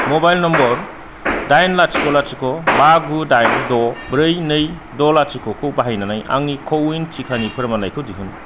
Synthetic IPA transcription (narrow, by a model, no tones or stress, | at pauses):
mɔbajlnɔmbɔɾ | dajnlat͡ʃikʰɔlat͡ʃikʰɔbaɡudajndɔbɾɯjnɯj | dɔlat͡ʃikʰɔkʰɯwbaɦajnanaja̰ŋnikʰɔwijnt͡ʃikʰanipʰɯɾmanajkʰɯwdiɦun